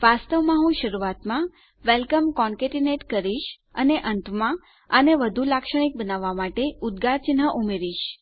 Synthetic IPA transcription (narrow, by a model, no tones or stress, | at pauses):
ʋast̪əʋmãɦũʃəɾuʋat̪mã | ʋelkəmkɔɳkeʈineʈkəɾiʃ | ə̰neʔənt̪ʋəmã | əneʋəd̪ʱulakʃəɽ̃ik̚bənaʋːamaʈeud̪ɡat͡ʃinɦəʔumeɾiʃ